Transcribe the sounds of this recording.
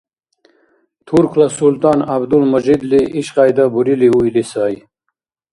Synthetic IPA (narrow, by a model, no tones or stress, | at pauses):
t̪ʰuɾkʰlasult̪ɑːnabd̪ulmɐʑid̪liʔiɕqɑːjd̪abuɾiliujlisaːj